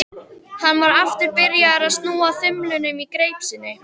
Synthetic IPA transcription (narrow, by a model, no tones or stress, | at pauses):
hanːvaɾaft̪ɪɾpɪɾjaɾaðst̪nuːaθʏmlʏnʏmikɾeːjpsɪnːɪ